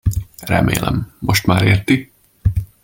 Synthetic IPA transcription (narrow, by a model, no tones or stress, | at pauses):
rɛ̰mḛːlɛ̰mːo̞ʃt̪maːɾeːrt̪i